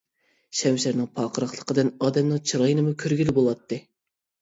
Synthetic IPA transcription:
ʃɛmʃæɾnɪŋpʰɑːqʰəɾɑχlˠəqəd̪ɨnɑːd̪ɛmnɨŋt͡ʃʰiɾɑjnɨmukʲʰøɾɡʲylɪbolˠɑt̪ːɨ

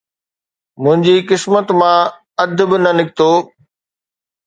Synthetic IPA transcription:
mʊ̃ɦɪ̃ɲd͡ʑiːkɪsmət̪mã | ɐd̪ʱbɪnɐnɪk̚ʰt̪oː

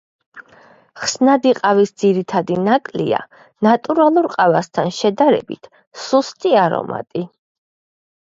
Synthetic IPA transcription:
χsnad̪iqʼavisd̪ziɾit̪ʰad̪inakʼlḭa̰ | nat̪ʼuɾalˠuɾqʼavast̪ʰanʃɛd̪aɾɛ̰bit̪ʰ | sust̪ʼiaɾɔ̰ma̰t̪ʼi

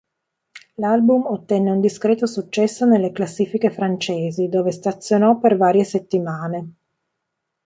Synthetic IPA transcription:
lalbumot̪ːɛnːeund̪iskɾeːt̪osut͡ʃːɛsːonelːeklasːiːfikefɾant͡ʃeːzid̪oːvest̪at̪sːjonɔpːervaːɾjeset̪ːimaːne

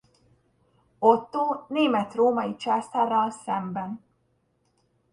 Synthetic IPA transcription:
ot̪ːoːneːmɛt̪roːmɒjit͡ʃast̪ɛrːɒlsɛmbɛn

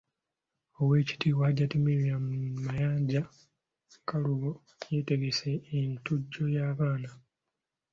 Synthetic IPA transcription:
o̞we̞ːci̥tiwaːɟatumiɾiammajaːɲɟa | kaluβo̞ | jete̞ɡe̞seːntuɟːo̞jaːβaːna

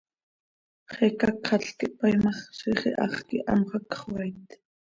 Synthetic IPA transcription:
χɛkɑkχɑɬkiʔpajmɑχʃiχiʔɑ̰χkiʔɑ̰mχɑkχwɑjt̪

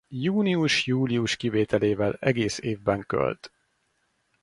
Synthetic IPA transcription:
juːniuʃjuːliuʃkiveːt̪ɛleːvɛlɛɡeːseːvbɛŋkø̰lt̪

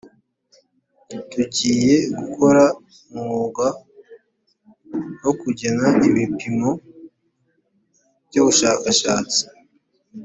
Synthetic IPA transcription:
tuɟiːje̞ɡukʰo̞ɾa | mŋuːɡa | hokuɟenaʔiβipimo̞ | b̥ɟuβuʃaːkaʃaːt͡si̥

